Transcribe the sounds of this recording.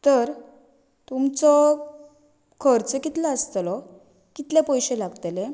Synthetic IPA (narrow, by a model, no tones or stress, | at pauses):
t̪əɾ | t̪umt͡sɔ | kʰəɾt͡səkit̪laəst̪lɔ | kit̪lɛpɔjɕelaɡt̪ele